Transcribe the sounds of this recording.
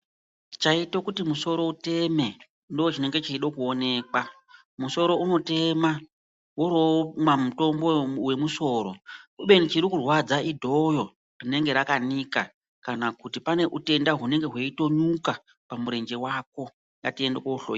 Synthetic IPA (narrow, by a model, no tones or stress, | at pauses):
t͡ʃaitokutimuso̞ɾo̞ute̞me̞ | ndoot͡ʃine̞ŋɡe̞t͡ʃaiɗokuone̞ːkwa | muso̞ɾo̞uno̞te̞ma | woɾomwamuto̞mbo̞we̞muso̞ːɾo̞̰uɓe̞nit͡ʃiɾikurwad͡zaʔidʱo̞jo̞ | rine̞ŋɡe̞ɾakanika | kanakutipane̞ʔute̞ndaɦune̞ŋɡeɦwe̞ito̞ɲuka | pamuɾe̞nd͡ʒe̞wak̚o̞ | ŋɡatie̞ndekouɬoji